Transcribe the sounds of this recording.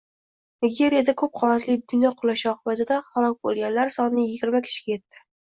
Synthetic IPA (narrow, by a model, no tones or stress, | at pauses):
nɪɡʲe̞ɾijad̪akʰɵp̚qʰɒnat̪lɪbɪnɒqʰʊlˠaʃɒqʰɨbat̪ʰɪd̪ahalˠɒk̚ʲbolˠɡʲanlaɾsɒnːɪjɪɡʲɪɾmakʲʰɪ̥ʃɪ̥ɡʲaje̞t̪ʰːɪ